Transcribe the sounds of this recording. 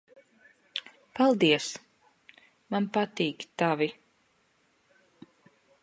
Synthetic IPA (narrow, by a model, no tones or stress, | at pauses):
palˠd̪iɛs | manpat̪iːkt̪avi